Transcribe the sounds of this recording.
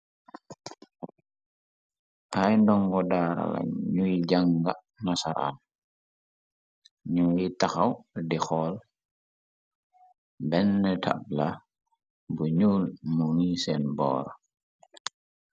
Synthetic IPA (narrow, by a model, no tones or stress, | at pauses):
ʔajndɔŋɡɔdaːɾa̰la̰ɲujiɟaŋɡa | nasaɾa̰n | ɲujitaxawdixɔːl | bɛnːətʰa̰b̚la | buɲuːlmuŋisɛnbɔ̰ːɾ